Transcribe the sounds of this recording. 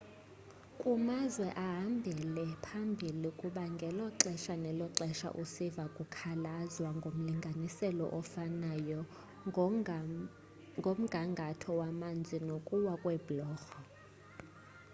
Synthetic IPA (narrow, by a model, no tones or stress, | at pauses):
kʼumazwɛʔaɦambʱɛlɛpʰambʱilikʼuɓaŋɡʱɛlɔǁɛʃanɛlɔǁɛʃa̰ʔusivakʼukʰalazwaŋɡʱom̩liŋɡʱanisɛlɔ̰ʔɔfanajɔ | ŋɡʱom̩ɡʱaŋɡʱatʰɔwamand͡zʱinokʼuwakʼwɛblɔːxɔ